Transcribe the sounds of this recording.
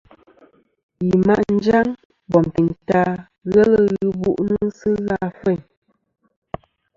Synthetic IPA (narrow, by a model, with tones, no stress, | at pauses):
ji˨ma˦ʔn̩˦d͡ʒa˦ŋ | bɔ˨m˨pi˨nta˦ | ɣɛ˦lə˦ɣɨ˨bṵ˦ʔnu˦sɨ˦ɣa˦˨fɛ˦˨ɲ